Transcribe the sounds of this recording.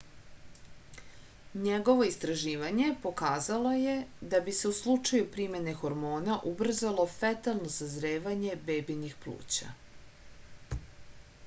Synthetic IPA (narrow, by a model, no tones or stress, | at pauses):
ɲeɡo̞ʋo̞ist̪ɾaʒiːʋaɲe̞po̞kaːzalo̞jed̪abise̞uslˠut͡ʂajupɾime̞ne̞xo̞ɾmo̞ːnaʔubr̩zalˠo̞fet̪alˠno̞sazɾeːʋaɲe̞bebinixplˠṵːt͡ɕa̰